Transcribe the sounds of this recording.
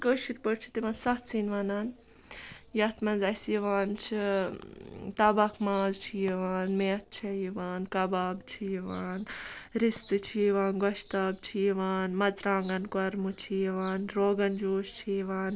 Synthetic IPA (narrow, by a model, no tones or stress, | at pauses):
kəʃiɾpəɾt͡ʃʰi̥t̪iʋãːnsɐt̪sinʋaːnaːn | jɐt̪ʰmɐnzɐsjiʋaːnt͡ʃʰi | t̪ɐbɐkʰmaːzt͡ʃʰijiʋaːnmeːt̪̚t͡ʃʰɐjiʋaːnkɐbaːbt͡ʃʰijiʋaːnɾist̪ɨt͡ʃʰijiʋaːnɡɐʃt̪aːb̚t͡ʃʰijiʋaːnmɐd͡zɾaːŋɡɐnkɐɾmut͡ʃʰijiʋaːnɾoːɡɐnd͡ʒoːʃt͡ʃʰijiʋaːn